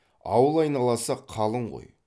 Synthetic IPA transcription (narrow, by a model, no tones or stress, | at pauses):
ɑ̰wəlˠɑjnɑlˠɑsɑqʰːɑlˠəɴʁo̰j